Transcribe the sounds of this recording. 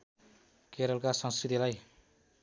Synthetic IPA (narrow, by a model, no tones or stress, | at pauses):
keɾʌlkasʌ̃ŋskɾit̪ilaj